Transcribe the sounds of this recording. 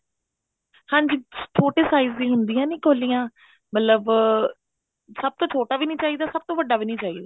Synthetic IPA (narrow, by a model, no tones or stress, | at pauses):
hãːɲd͡ʒiːt͡ʃʰoːʈeːsaːizd̪ĩːɦʊnd̪iːjãːnĩːkoːlːiːãː | mət̪ləb | səb̚t̪õːt͡ʃʰoːʈaːʋiːnĩːt͡ʃaːiːd̪aːsəb̚t̪õːʋəɖːaːʋiːnĩːt͡ʃaːiːd̪aː